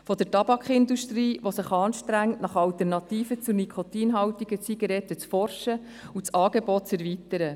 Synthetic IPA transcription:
fɔd̥̪əɾtɑb̥ɑkχɪnd̪uʃtriːʋosəχɑːnʃtɾæŋtnɑχɑltɛrnɑt̪iːfət͡sunikʰot̪iːnɦɑwt̪iɡət͡siɡɑɾɛtːət͡sfɔrʃə | ut͡sɑːɡ̥ebɔt̚t͡sɛɾvitəɾə

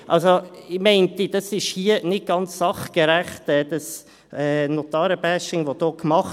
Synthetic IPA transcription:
ʔɑlsoɪmɛɪntid̥ɑsɪʃhiːənɪt̚ɡ̥ɑnt͡sːɑχɡəɾæχtɛːd̥ɑs | ɛːnot̪ɑːɾəbæʃɪŋʋod̥̪oːkmɑχ

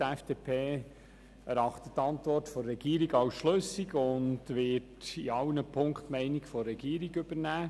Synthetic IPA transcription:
æfd̥eːpʰeː | ɛɾɑχtəttːɑntʋɔrtfɔrːɛɡ̥iːɾiɡɑʊsʃlɵsiɡʊndʋɪtiɑwnəpʰʊŋktmɛɪnikfɔrːɛɡiːəɾiɡʏb̥əɾnæː

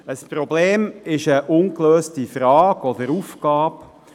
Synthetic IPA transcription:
əspɾɔbleːmɪʃəʔʊnkløːstifɾɑːkɔd̪əɾufkɑːp

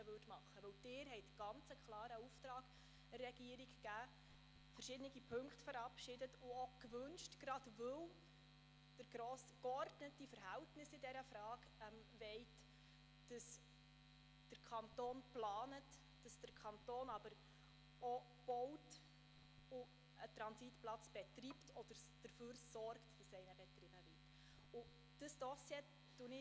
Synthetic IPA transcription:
əʋøtmɑχːəʋɵwd̥ɪːɾɦɛɪtɡ̥ɑnt͡səkʰlɑːɾəuftɾɑːɡ̥ | ərːɛɡ̥iəɾɪkɡæː | fəɾʃɪdənɪɡipʰɵŋkχtfəɾɑpʃɪdətʊɔkʋɵnʃtɡ̥ɾɑd̥vɵw | d̥əɾɡ̥ɾoːskɔrdnətifəɾɦɛltnɪsɪdɛɾəfɾɑːɡ | ɛm | vɛɪt | d̥əs | d̥əɾkʰɑntoːnplɑːnət | d̥ɑsd̥əɾkʰɑntoːnɑb̥əɾ | ɔ | b̥ɔwt | ʊ | ətɾɑnsitplɑt͡sb̥ɛtriptʰɔd̥əɾd̥əɾføːɾsɔɾktd̥əsɛɪnəb̥ɛt̪ɾɪnəvɪt | ʊ | d̥əsd̥ɔsjɛ | d̥unɪ

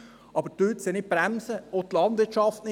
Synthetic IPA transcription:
ʔɑbəɾt̪øt̪sɪnɪt̚pɾæmsəot̪lɑndʋɪt͡ʃɑftnɪ

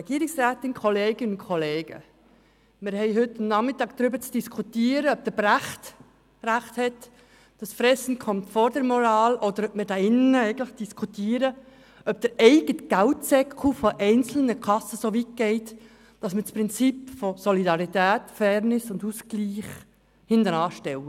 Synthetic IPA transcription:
ɛɡ̥iːəɾɪksɾæːt̪ɪnkʰɔleːɡ̥ɪnʊnkʰɔleːɡ̥ə̰ | mɪɾhɛɪɦʏtːnɑχmɪtːɑːɡ̚d̥̪ɾʏbəɾt͡sd̥iskʰutiːəɾəœb̚d̥əbɾæχt | ræχthɛt | d̥ɑsfɾɛsn̩kʰɔmtfɔɾdɛɾmɔɾɑːlʔɔd̪əɾœp̚mɪɾdɑɪnəəɛɪɡətlɪχd̥iskʰutiːəɾə | œb̚d̥əɾɛɪɡətɡ̥æltsɛkufɔʔɛɪnt͡sl̩nəkʰɑsəsoʋit̚ɡ̥ɛɪt | d̥ɑsmət͡spɾɪnt͡sipfɔsɔlidɑɾit̪æːtfɛɾnɪsʊndusɡliːχ | hɪndənɑːʃtɛwə

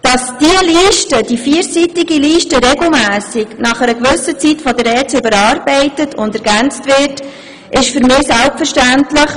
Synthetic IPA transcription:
d̥ɑsd̥iəliːʃtədifiəɾsitɪɡiliːʃtəɾɛɡl̩mæːsɪɡnɑχəɾəkʋʉsət͡sitfɔdəɾɛːt͡sʏbəɾɑɾbɛɪtətʰʊndɛɾɡænt͡stvɪɾt | ʔɪʃfʏɾmɪːsælpfəɾʃtæntləχ

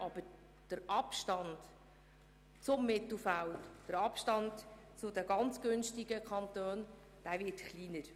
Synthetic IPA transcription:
ʔɑb̥əɾ | d̥əɾɑpʃtɑnd̥ | t͡sʊmːɪt̪l̩fæwd̥əɾɑpʃtɑnt | t͡sʊd̪ɛɡɑnt͡sɡ̥ʏnʃtɪɡəkʰɑnt̪øːn | d̪̥æːvɪtχliːnəɾ

